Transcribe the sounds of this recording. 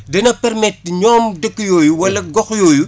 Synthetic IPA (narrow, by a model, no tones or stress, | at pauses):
dɛnɐpɛrmɛt̚ːɲɔːmdəkːɨjɔːjuwɐlɐɡɔxjɔːju